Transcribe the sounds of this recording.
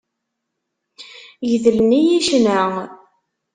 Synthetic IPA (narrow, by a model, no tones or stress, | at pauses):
jəðəlnijiʃnə